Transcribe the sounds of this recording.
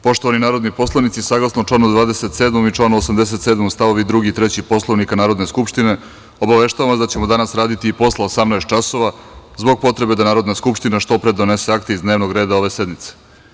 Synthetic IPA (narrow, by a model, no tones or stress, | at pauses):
po̞ʃt̪o̞ʋaninaːɾo̞d̪nipo̞slˠanit̪sisaɡlasnoʈ͡ʂlaːnod̪ʋaːd̪eset̪seːd̪momit͡ʃlˠaːnoosamd̪es̬e̞t̪seːd̪momst̪aʋo̞ʋid̪ɾuɡit̪ɾet͡ɕipo̞slˠoʋnikanaːɾo̞d̪ne̞skupʃt̪ine̞ | o̞baʋe̞ʃt̪aʋamasd̪at͡ɕe̞mod̪anasɾaːd̪it̪iːpo̞slˠaosamnajst̪t͡ʃaso̞ʋazbo̞ɡ̚po̞t̪ɾe̞bed̪anaːɾo̞d̪naskupʃt̪inaʃt̪o̞pɾe̞d̪one̞seakt̪eizd̪ne̞ːʋno̞ɡɾe̞ːd̪ao̞ʋe̞sed̪mit̪se̥